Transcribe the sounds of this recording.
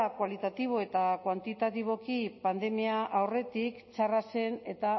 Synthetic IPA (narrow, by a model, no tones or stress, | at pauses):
akwalit̪at̪iβ̞o̞e̞t̪akwant̪it̪at̪iβ̞o̞kipand̪e̞miaʔawre̞t̪ikt͡ʃarase̞ne̞t̪a